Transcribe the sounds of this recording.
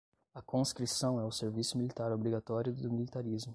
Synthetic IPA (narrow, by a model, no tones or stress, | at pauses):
ɐkõskɾisɐ̃w̃ɛʊseɾvisʊmilit̪aɾobɾiɡat̪ɔɾjʊd̪ʊmilit̪aɾizmʊ